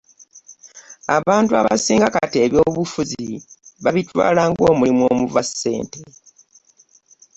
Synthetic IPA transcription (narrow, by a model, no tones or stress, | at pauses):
aβaːntua̰βa̰siːŋɡakateːβjo̞ːβufuziβaβitwa̰ːlaːŋɡo̞ːmulimwo̞ːmuvase̞̰ːnte